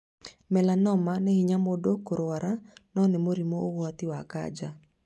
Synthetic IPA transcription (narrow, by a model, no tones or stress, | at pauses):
mɛlanɔmanɛhiɲamodokoɾowaɾʔanɔnɛmoɾimoowat̪ɪwaka̰d͡ʒa